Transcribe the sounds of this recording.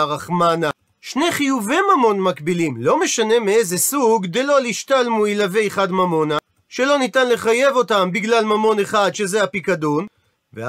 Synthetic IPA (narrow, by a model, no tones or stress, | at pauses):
ʁaχmana | ʃne̞χijuvimamo̞nmakbilimlo̞me̞ʃane̞miezesuɡd̪elo̞liʃtalmuilave̞jχadmamo̞na | ʃe̞lo̞nitanle̞χaje̞vo̞tambiɡlalmamo̞ne̞χadʃe̞zeapikadun | ve